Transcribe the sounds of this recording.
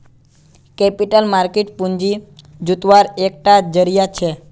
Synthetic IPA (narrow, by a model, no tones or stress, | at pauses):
kɛpiʈəlmaɾkeʈpũɲd͡ʒi | d͡ʒut̪ʋaɾek̚ʈad͡ʒəɾijat͡ʃʰe